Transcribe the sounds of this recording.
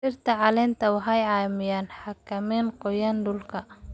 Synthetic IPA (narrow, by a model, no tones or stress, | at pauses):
ʃɪrt̪ʰɐʕɑlɪnt̪ʰɐwɑħɑjʕɑːmɪjaːnħɑkʰɐmiːnqɔjɐnɖʊlkʰɐ